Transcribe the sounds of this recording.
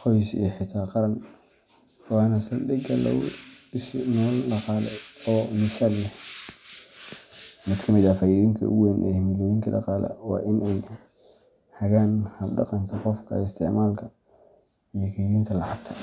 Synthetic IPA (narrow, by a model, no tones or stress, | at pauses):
qɔjsḭħɪt̪ʰaːqɑɾɐn | wɑːnɐsɐlɖɪɡɐlɐ̰ʊ̰ɪsnɔːlɖɑqɑːlɛ̰ɔːmɪsaːllɛh | mɪd̪kʰɐmɪd̪ɐfɐjiðɪŋkʰɐ̰ʊ̰ɣɛnʔɛhɪmɪlɛːjɪŋkʰɐdɑ̰qɑːlɐ̰wɑ̰ːʔɪnɛj | hɐɣaːnhɐbɖɑ̰qɑŋkʰɐqɔfkʰɐ̰ɪst̪ʰɪʕmaːlkʰɐ | ijɔkʰɐjðiːnt̪ʰɐlɑʕɑɡ̚t̪ʰɐ̥